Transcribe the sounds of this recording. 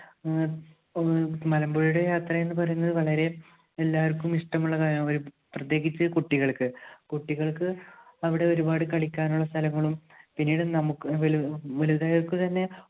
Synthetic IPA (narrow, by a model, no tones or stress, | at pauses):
mɐlɐmboɻijuɽejaːt̪rɐe̞nːɨpɐrɐjunːɐðɨʋɐɭɐɾe̞ | elːaːʋɐrkːumiʂʈɐmuɭːɐkaːjɐmoɾu | prɐt̪je̞ːɣit͡ɕːɐkuʈːiɣɐɭkɨkuʈːiɣɐɭkɨɐʋiɽe̞o̞ɾubaːɽɨkɐɭikʲːaːnuɭːɐst̪ʰɐlɐŋːɐɭum | pinːiːɽɨnɐmukːɨʋlʋɐluðaːjɐrkːut̪ɐnːe̞